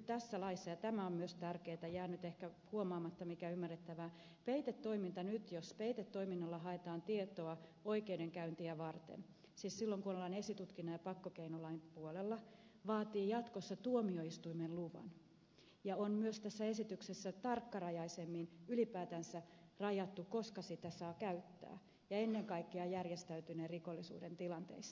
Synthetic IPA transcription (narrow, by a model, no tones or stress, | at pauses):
yt̪æsːælɑisːɑjɑt̪æmæommyøst̪ærkeːt̪æjæːnyt̪ehkæhuomɑːmɑt̪ːɑmikæymːærːet̪ːæʋæː | peit̪et̪ːoimint̪ɑnyt̪jospeit̪et̪ːo̞iminːɑlːɑɦɑet̪ɑːnt̪iet̪oɑo̞ikeyde̞ŋkæynt̪iæʋɑrt̪ḛn | siːssilːoŋkunolːɑne̞sit̪ut̪kinːɑjɑpɑkːokeinolɑimpuolelːɑ | ʋɑːt̪iːjɑt̪kosːɑt̪uomio̞ist̪uimenluʋɑ̰n | jɑonmyøst̪æsːæe̞sit̪yksesːæt̪ɑrkːɑrɑjɑisemːinylipæːt̪ænsæ | rɑjɑt̪ːuko̞skɑsit̪æsɑːkæyt̪ːæ̰ː | jɑe̞nːeŋkɑikːeɑjærjest̪æyt̪yneriko̞lːisṵːdent̪ilɑnt̪e̞̰is